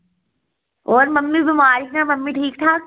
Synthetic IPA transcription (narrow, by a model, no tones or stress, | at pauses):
oːɾmɐmːibɪmaːɾinamɐmːiʈʰiːkʈʰaːk̚